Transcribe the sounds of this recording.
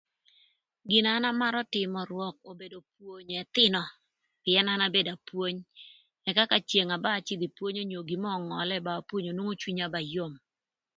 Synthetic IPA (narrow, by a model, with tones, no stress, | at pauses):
ɡɪ˨nana˦ma˦ɾɔ˦tɪ˨mɔ˨ɾwɔ˨k̚o˨be˨do˨p̚wo˨ɲɛ˨t̪ɪ˦nɔ˨ | pɪɛ˦na˦na˦be˦da˨pwo˦ɲ | ɛ˨ka˦ka˨t͡ʃje˨ŋa˨ba˦˨t͡ʃɪ˦d̪i˨pwo˦ɲo˦ɲo˨ɡi˨mɔ˦˨ŋɔ˨lɛ˦baː˨pwo˦ɲo˨nwo˦ŋo˦t͡ʃwi˦ɲa˦ba˨jo˦˨m